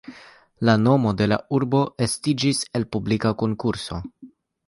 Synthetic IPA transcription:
lano̞mo̞de̞la̰uɾbo̞ʔe̞stid͡ʒise̞lpublikako̞ŋkuɾso̞

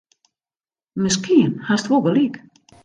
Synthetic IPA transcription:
məskʰiənhastʋoɡəlik

